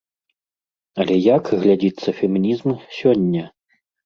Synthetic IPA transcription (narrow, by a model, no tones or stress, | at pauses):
ɐlʲɛjakɣlʲad͡zʲit̪sːɐfʲɛmʲinʲizmsʲɔnʲːɐ